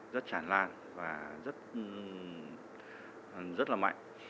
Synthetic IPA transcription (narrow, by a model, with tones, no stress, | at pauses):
zə˦˥t̚t͡ɕaː˧˩nlaː˧n | vaː˨˩zə˦˥t̚ | zə˦˥t̚laː˨˩ma̰˧˨jŋ